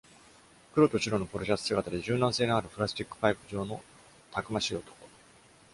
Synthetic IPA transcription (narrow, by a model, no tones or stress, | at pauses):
kɯ̟ɾo̞t̪o̞t͡ɕiɾo̞nopɯɾoʑʲasɨ̥sɨɡat̪ad̪e̞ʑɨːnãse̞ːnoaɾɯ̟pɯ̟ɾasɨ̥t̪ʲikːɯ̟̥paikɯ̟ʑo̞ːno̞ | t̪ʰakɯ̟maɕiot̪o̥ko̥